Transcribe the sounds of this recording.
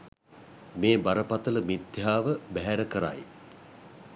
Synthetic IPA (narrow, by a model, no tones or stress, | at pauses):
meːbaɾəpat̪ələmit̪jaːʋəbæɦæɾəkəɾa̰j